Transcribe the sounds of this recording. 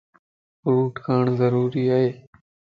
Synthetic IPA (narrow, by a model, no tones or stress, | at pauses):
fɾuːʈkʰaːɳzəɾuːɾiːaːɦeː